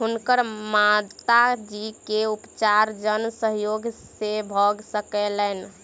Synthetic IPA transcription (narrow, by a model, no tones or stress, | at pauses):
ɦunkəɾmat̪ad͡ʒikeupt͡ʃaɾd͡ʒənsəɦjoɡsebʱɔɡsəkɛlɛn